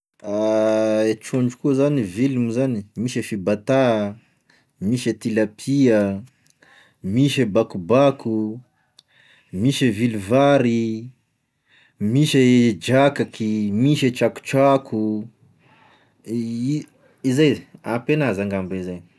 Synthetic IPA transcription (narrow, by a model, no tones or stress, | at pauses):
aet͡ʃuɳɖ͡ʐukuzanivilumuzanimiʃəfibat̪a | miʃet̪ilapʰiə | miʃəbakubakʰu | miʃəviluvaɾi | miʃəd͡ʒakakʰimiʃet͡ʃaku̥t͡ʃakʰu | izajapenazaŋɡambeizaj